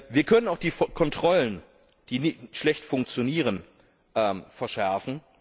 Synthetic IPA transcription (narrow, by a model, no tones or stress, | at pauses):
viːɐkʰœnənaʊxd̥iːfkʰɔntʁ̥ɔlən | d̥iːnɪçtʃlɛçtfʊŋk̚t͡sjoniːʁən | ʔɛːmfɛɐʃɛɐfn̩